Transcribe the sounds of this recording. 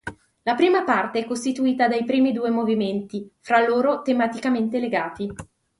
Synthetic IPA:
lapɾiːmapart̪eɛkːost̪it̪uiːt̪ad̪ajpɾiːmid̪uːemoviment̪ifɾalːoːɾot̪emat̪ikament̪eleɡaːt̪i

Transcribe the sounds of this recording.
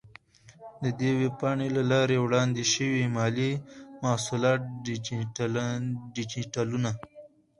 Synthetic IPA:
d̪əd̪ewepɑɳelalɑɾewɽɑnd̪eʃəwimɑlimahsulɑt̪̚ɖ | ɖit͡ʃiʈaluna

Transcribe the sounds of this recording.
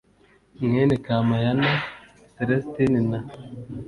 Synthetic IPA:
ŋenekamajana | teɾestinina

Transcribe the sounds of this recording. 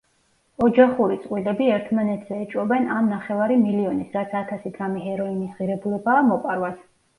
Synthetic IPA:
ɔd͡ʒaχuɾit̪sʼqʼwilɛbiɛɾt̪ʰmanɛt̪ʰz̥ɛːt͡ʃʼwɔbɛnamnaχɛvaɾimiliɔnisɾat̪sʰat̪ʰasid̪ɾamɛɦɛɾɔinisʁiɾɛbulɛbaːmɔqʼaɾwas

